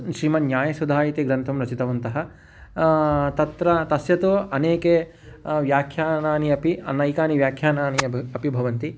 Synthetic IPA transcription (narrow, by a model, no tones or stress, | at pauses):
ʃɾiːmɐnjaːjɐsud̪ʱaːjit̪iɡɾɐnt̪ʰɐmɾɐt͡ʃit̪ɐʋɐnt̪ɐɦɐ̆ | t̪ɐt̪ɾɐt̪ɐsjɐt̪uɐneːke | ʋjaːkʰjaːnaːniɐpiɐ̰nːɐikaːniʋjaːkʰjaːnaːniɐɐpibʱɐʋɐnt̪i